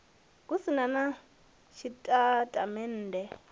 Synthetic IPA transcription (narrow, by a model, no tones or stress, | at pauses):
kusinana | ʃitʼatʼamɛn̩ːdɛ